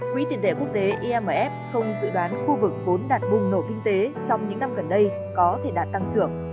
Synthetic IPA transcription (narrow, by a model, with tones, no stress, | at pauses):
kwḭ˧˥t̪i˨˩ənt̪ḛ˧˩ku˦˥ək̚t̪e˨˦ʔi˧ʔɛ˧məː˨˩ʔɛ˦˥p̚xə˧wŋ͡mzɨ̰˧˥ɗwaː˨˦nxu˧vɨ˨˩k̚vo˨˦nɗaː˨˩t̚ɓʊ˧˩ŋ͡mno˧˩kï˧ŋ̟t̪e˨˦t͡ɕɔ˧wŋ͡mɲɨ̰˧˥ŋna˧mɣə˨˩nɗə˧j | kɔ˨˦t̪ʰe˧˩ɗaː˨˩t̚t̪a˧ŋt͡ɕɨ˧˩əŋ